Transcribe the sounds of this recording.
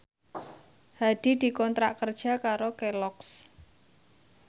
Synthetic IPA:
had̪̥i̤d̪̥i̤kɔnt̪ɾaʔkərd̥ʒ̥a̤kaɾokelɔks

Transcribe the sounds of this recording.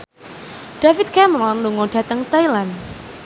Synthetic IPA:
ɖ̥afit̪̚kɛmɾɔnluŋoɖ̥a̤t̪əŋt̪ajlan

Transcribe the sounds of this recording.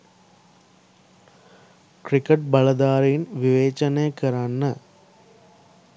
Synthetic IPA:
kɾɪkːɐʈ̚bɐɭɐd̪aːɾɐjɪnʋɪʋeːt͡ʃɐneːkɪɾaːnːɐ

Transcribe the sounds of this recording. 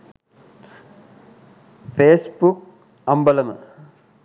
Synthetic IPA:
pʰeːsbuk | ɐmbɐlɐmɨ̰

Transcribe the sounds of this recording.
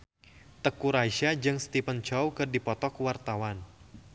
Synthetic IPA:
t̪əkuɾaiʃad͡ʒɨŋst̪ipənt͡ʃɔwkɨrdipɔt̪ɔkwart̪awan

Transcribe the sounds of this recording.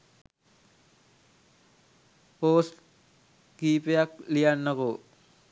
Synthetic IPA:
poːsʈ | ɡiːpejaklijanːəko

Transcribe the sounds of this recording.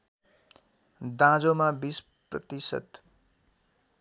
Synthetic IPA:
d̪ãd͡zomabis | prʌ̰t̪isʌ̰t̪

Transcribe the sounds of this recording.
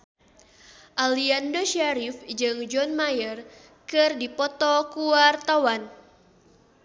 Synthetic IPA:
ʔaliandɔʃaɾifd͡ʒɨŋd͡ʒɔnmajər | kɨrdipɔt̪ɔkuart̪awan

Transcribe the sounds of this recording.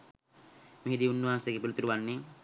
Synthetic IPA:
miɦid̪iunːuʋaːnseɡepilut̪ːɾuʋanːi

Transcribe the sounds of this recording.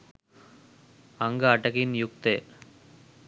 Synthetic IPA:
ɐŋɡɐɐʈːɐkɪnjʊk̚t̪e

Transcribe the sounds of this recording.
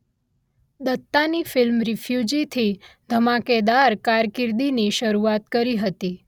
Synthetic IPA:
d̪ət̪ːanifɪlmɾifʰjud͡ʒit̪ʰid̪ʱəmaked̪aɾkaɾkɪɾd̪iniʃəɾuat̪kəɾiɦət̪i

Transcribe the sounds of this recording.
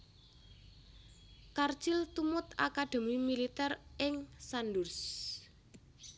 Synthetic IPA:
kart͡ʃɪlt̪umʊt̪akad̪̥e̤mimilit̪ɛrɪŋsandurs

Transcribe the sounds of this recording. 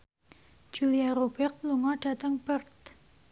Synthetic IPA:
d͡ʒ̥uliaɾobɛk̚luŋɔɖ̥a̤t̪əŋb̥ərt̪̚

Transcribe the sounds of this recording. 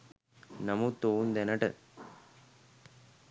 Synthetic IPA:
nɐmut̪ːound̪ɛnəʈə̰

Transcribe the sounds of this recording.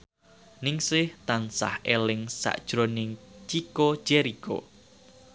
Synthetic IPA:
nɪŋsɪht̪ansa̰helɪŋsa̰ʔd̥ʒ̥ɾonɪŋt͡ʃiko̥d͡ʒ̥ɛɾiko̰

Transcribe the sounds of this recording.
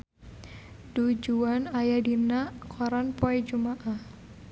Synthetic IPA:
d̥ud͡ʒuanajadinaʔkʰɔɾanpɔɛd͡ʒumaʔah

